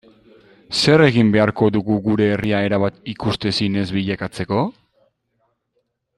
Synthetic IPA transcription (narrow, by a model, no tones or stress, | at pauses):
se̞re̞ɣimbe̞aɾko̞ðuɣuɣuɾe̞ːriae̞ɾaβat̪ikust̪e̞sine̞zβiʎakat͡se̞ko̞